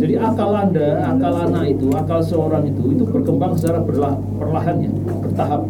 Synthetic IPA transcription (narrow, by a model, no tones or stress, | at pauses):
d͡ʒadiʔakalandaakalanait̪uakalsəoɾaŋit̪uit̪ubərkəmbaŋsət͡ʃaɾabərla | pərlaɦanɲa̰ | b̥ərt̪aɦap̚